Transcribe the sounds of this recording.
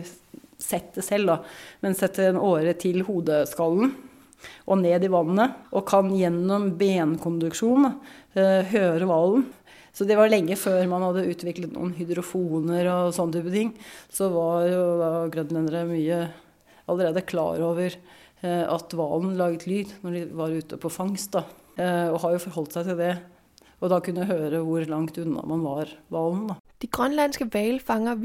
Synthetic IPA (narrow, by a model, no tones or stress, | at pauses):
sɛt̪d̪ɛsɛld̪ɑmɛnsɛt̪ʰːəɛnoːɾət̪ʰɪlhuːd̪əskɑlːn̩ | ʔɔneːd̪ɪʋɑnːəʔɔkʰɑnjɛnːɔmbeːnkʰʊnd̪ʉkʂuːn | ɦøːɾəʋɑln̩ | sɔd̪ɛʋɑɭɛŋːəføːɾmɑnhɑd̪ːəʉːt̪ʰʋɪklət̪nṵːənɦʏd̪ɾʊfuːnəɾɔsɔnːət̪ʰyːp̬ət̪ʰɪŋːsɔʋɑɾjʊd̪ɑɡɾœnlɛnd̪əɾəmyːə | ɑləɾeːd̪əkʰlɑ̰ːɾoːʋəɾ | ɑ̰t̪ʋɑ̰ːlnlɑːɡət̪ʰlyːd̪nɔɖɪʋɑɾʉːt̪əpʰɔfɑŋst̪̚d̪ɑ | ɔɦɑɾjʊfɔɾɦɔlt̪sæɪt̪ʰɪld̪ɛ | ɔd̪ɑkʰʉnːəɦøːɾəʋʊɾlɑŋt̪ʉnːɑ̰mɑnʋɑɾʋɑlnd̪ɑd̪̥iɡ̥ʁœnlænsɡ̥əʋɛɪlfɑŋɐ